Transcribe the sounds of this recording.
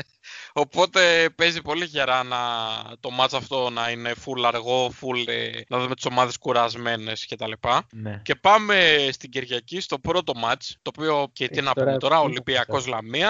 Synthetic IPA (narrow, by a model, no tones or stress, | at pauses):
o̞po̞t̪e̞pe̞zipo̞liçe̞ɾɐnɐt̪o̞mɐt͡sɐft̪o̞nɐine̞fulɐɾɣo̞fulḛnɐðumet̪i̥so̞mɐðe̞skuɾɐzme̞ne̞sce̞t̪ɐlipɐnce̞pɐme̞st̪iɟeɾʝɐcist̪o̞pɾo̞t̪o̞mɐt͡st̪o̞ːpio̞cet̪ienɐot̪o̞ɾɐolimbiɐko̞zlɐmiɐ